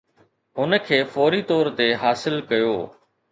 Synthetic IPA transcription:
ʊnə̆kʰeːfɔːɾit̪ɔːɾt̪eɦaːsɪlkɐjoː

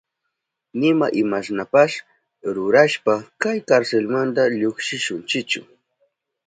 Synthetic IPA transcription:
nɪma̰ʔɪmasnapaʃ | ɾʊɾaʃpakajkaɾselmant̪aʎoχʃɪʃʊnt͡ʃɪkt͡ʃʊ̰

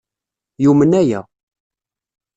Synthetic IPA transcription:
jumənæjæ̰

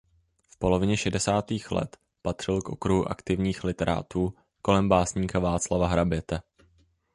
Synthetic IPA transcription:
fpo̞lo̞vɪɲɛʃɛdɛsaːt̪iːxlɛ̰t̪ | pat̪r̝̥ɪlkʔo̞̰kɾuɦuʔa̰kt̪ɪvɲiːxlɪt̪ɛɾa̰ːt̪uː | ko̞lɛmbaːsɲiːkavaːt͡slavaɦɾabjɛt̪ɛ

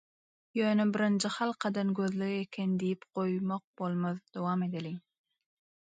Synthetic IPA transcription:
jøːnebiɾɯnd͡ʒihɑlˠqʰɑd̪ɑnɡøðleɣekʲʰend̪ijipqo̞jmoq̚bo̞lˠmɑðd̪̥owɑːme̞d̪eli

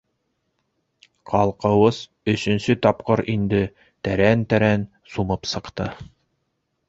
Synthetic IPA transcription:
qʰɑlˠqɤ̆wɤz | ɵ̆sɵ̆nsɵt̪ɑpqɤɾind̪ɘ | t̪æɾænt̪æɾæn | sumɤpsɤ̆qt̪ɤ

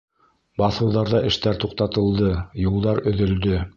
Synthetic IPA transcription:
bɑθɤ̆wðɑɾðɑʔɘ̆ʃt̪æɾt̪uq̚t̪ɑt̪ɤ̆lˠd̪ɤjulˠd̪ɑɾɵ̆ðɵ̆ld̪ɵ

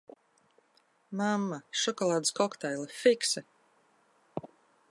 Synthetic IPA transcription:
mamːaʃɔkɔlˠaːd̪ɨskɔkt̪ɛjlˠafiksɛ

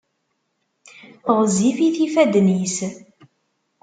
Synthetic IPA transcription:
θʁzifiθifæd̪nis

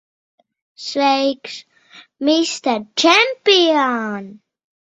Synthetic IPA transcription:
sweɪks | mɪstət͡ʃɛmpiən

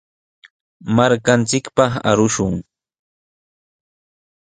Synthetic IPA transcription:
maɾkant͡sɪkpɑχa̰ɾʊʃʊŋ

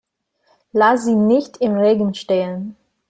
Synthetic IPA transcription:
laziːnɪçtʰɪmʁeːɡn̩ʃteːən

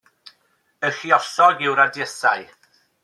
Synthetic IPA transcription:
əxiɔsɔɡɪwɾadjəsa̰j

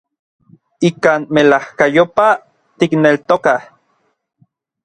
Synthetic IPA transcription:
ikaːnmelahkajopa | t̪iknelt̪okah

